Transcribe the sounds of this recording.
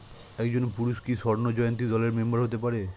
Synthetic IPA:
ɛkd͡ʑonpuɾuʃkiʃɔɾnod͡ʑɔjont̪̬id̪ɔleɾmembaɾɦot̪epaɾe

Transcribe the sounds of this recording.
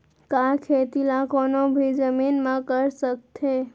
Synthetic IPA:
kakʰet̪ilakoːnobʱid͡ʒəminmãkəɾsək̚t̪ʰe

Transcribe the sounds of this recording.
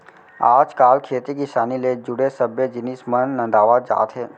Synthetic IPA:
aːd͡ʒkaːlkʰeːt̪ikiʃaːniled͡ʒʊɽesəbjəd͡ʒɪnɪsmənːə̃nd̪aːʋaːd͡ʒa̰ːt̪ɦɛː

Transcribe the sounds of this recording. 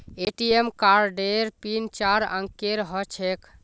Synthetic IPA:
eʈiemkaɾɖeɾpint͡ʃaɾə̰̃ŋkeɾɦət͡ʃʰek

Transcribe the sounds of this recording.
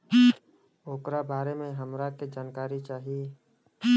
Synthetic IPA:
oːkɾabaːɾemẽɦəmɾaked͡ʒaːnkaːɾit͡ʃaːɦie

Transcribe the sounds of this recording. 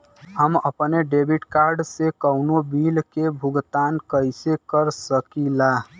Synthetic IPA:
ɦəməpneɖebʱiʈkaɾɖsekəʊnobilkebʱuɡt̪ankəjsekəɾsəkila

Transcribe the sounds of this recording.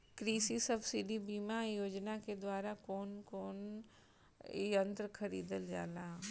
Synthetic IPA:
kɾiːsisɐbsɪɖibiːmajoːd͡ʒnaked̪waːɾakoːnkoːn | iənt̪əɾkʰɐɾḭːd̪əld͡ʒa̰ːlaː

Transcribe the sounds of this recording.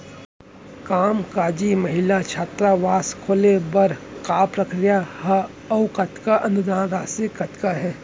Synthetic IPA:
kaːmkaːd͡ʒimɐɦɪlat͡ʃʰaːt̪ɾaʋaːskʰoːlebɐɾkaːpɾəkɾɪjahɐ | ɐʊkɐt̪kaʔɐ̃nd̪ʊd̪ãːɾaːsekɐt̪kaɦɛː

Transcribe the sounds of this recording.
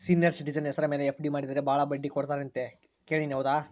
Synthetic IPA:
siːnijɐɾsiʈid͡ʒɐnɦɛsɐɾɐme̞ːleepʰɖimaːɽid̪ɾebʱaːɭɐbɐɖːikoɽt̪aːɾeɐnt̪e | ke̞ːɭiniɦɐʋud̪aː

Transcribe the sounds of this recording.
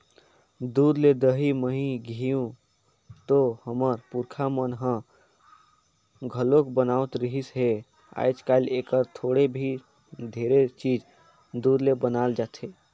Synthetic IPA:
d̪uːd̪led̪əɦiməɦĩɡʱijũ | t̪ohəməɾpuɾkʰamənɦə̃ | ɡʱəlokbənaʊt̪ɾəɦisɦe | a̰jt͡ʃkaɪlekəɾt̪ʰoːɽebʱi | d̪ʱeɾet͡ʃiːd͡ʒ | d̪uːd̪lebənaːld͡ʒaːt̪ʰe

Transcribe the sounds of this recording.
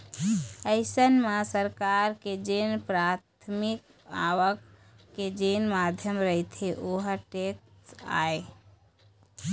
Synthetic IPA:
əɪsənmasəɾkaɾked͡ʒenpɾat̪ʰmik | awəkː | ed͡ʒenmad̪ʱjəmɾəit̪ʰeʔoɦəʈekta̰e

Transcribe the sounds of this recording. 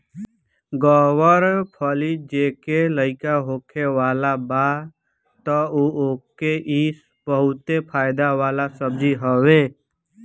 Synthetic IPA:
ɡɔwəɾpʰəlid͡ʒeːkeləɪkaɦoːkʰeʋaːlaba | t̪ɔuoːkeʔis | bəɦʊt̪epʰaːjd̪aʋaːlasəbd͡ʒiɦəwe

